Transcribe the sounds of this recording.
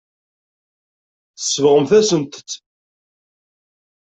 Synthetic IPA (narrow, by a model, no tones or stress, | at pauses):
θə̥sːvʁəmθæsənt̪ə̥t͡sː